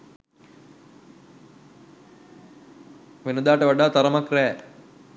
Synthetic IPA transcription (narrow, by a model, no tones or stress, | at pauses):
ʋenəd̪aːʈəʋaɖaːt̪aɾəmakrɛː